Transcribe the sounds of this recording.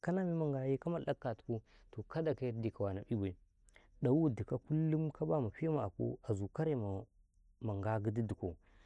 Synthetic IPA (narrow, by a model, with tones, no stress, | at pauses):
ka˦na˦mi˦ma˨ŋɡa˨ji˦ka˦ma˦˨la˦kːa˨tku˦ | to˨ka˦da˨ka˦ɾdi˨ka˨wa˨na˨bi˦wa˨ | ɗa˨wu˦di˨ka˦ku˦lːu˦mka˦ba˦ma˨pi˦ma˨a˨ko̰˦a˨zu˨ka˦ɾe˦ma˨ | ma˨ŋɡa˦ɡə˦di˦di˨ko˨